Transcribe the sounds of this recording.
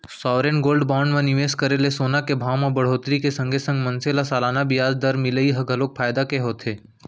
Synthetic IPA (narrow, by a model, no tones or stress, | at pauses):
sɔːʋɾenɡoːlɖbaːɳɖmẽnɪʋeːskəɾelesoːnakebʱaːʋmẽbɐɽ̤oːt̪ɾikesə̃ŋɡʱesɐ̃ŋɡmə̃nselasaːlaːnabɪjaːzd̪əɾmɪləiɦɐɡʱəloːk̚pʰaːjd̪akeɦoːt̪ʰeː